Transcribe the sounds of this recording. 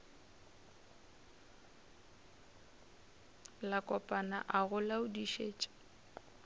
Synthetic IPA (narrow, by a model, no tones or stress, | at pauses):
lakʼɔpʼana̰ʔaɣʊlaʊdiʃeːt͡ʃʼḁ